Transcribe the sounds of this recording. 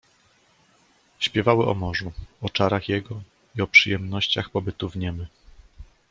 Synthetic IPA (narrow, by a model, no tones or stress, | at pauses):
ɕpʲjɛvawɘʔɔ̰mɔʐuɔt͡ʂaɾaxjɛɡɔ | iɔpʂɘjɛmnɔɕt͡ɕaxpɔbɘt̪uvɲɛmɘ